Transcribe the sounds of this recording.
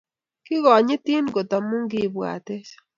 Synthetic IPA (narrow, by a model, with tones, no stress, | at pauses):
ki˦ɣɔ˨ɲɪ˦t̪i˦nɡo˨t̪a˨mu˦ŋɡi˦βwa̰˨t̪e˦ʃ